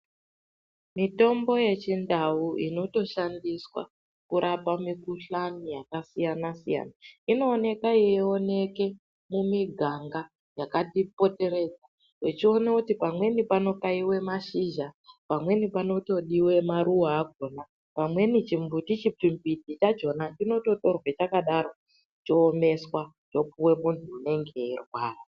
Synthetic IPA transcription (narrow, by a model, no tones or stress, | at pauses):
mito̞mbo̞je̞t͡ʃindawuʔino̞to̞ʃandiswa̰ | kuɾʔapamikuɬanijakasijanasija̰naino̞ːne̞kaieo̞ne̞ke̞ | mumiɡʱaŋɡa | jakatipo̞te̞ɾe̞d͡za | wet͡ʃio̞nekutipamwe̞nipano̞kaiwe̞maʃiʒapamwe̞nipano̞to̞ɗiwe̞maɾuwaːɡʱona | pamwe̞nit͡ʃimbutit͡ʃipimbidʱit͡ʃad͡ʒo̞natino̞to̞to̞rwet͡ʃakaɗaɾo̞ | t͡ʃoːme̞swa | t͡ʃo̞puwe̞muntʰuːne̞ŋɡe̞irwaːra